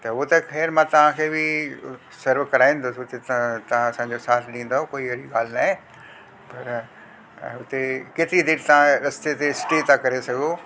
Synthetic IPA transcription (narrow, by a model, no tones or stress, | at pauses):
t̪ɐʊt̪ɐkʰeːɾmãːt̪ɐʋ̤ãkʰeːbɪ | sɐɾʋkɐɾaːĩn̆d̪oːsʊt̪et̪t̪ɐʋ̤ãɐsãɲd͡ʑosaːt̪ʰɗĩːn̆d̪ookoːiʋɐɾiɡaːl̤naːɦẽ | pɐɾ | ʊt̪ekɪt̪id̪ɪɾt̪ɐʋ̤ãɾɐst̪et̪eɪsʈit̪ãkɐɾesɐɡʱo